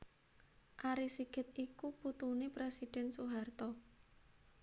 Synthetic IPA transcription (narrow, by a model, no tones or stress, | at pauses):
ʔaɾisiɡ̥ə̤t̪̚ikuput̪unepɾesid̥ɛ̤nsuɦart̪ɔ